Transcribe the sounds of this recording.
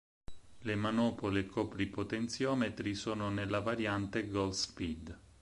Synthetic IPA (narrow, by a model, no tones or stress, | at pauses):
lemanɔːpoliekʰːɔːpɾipot̪ent̪sjɔːmet̪ɾisoːnonelːavaɾjant̪eɡɔlspid̪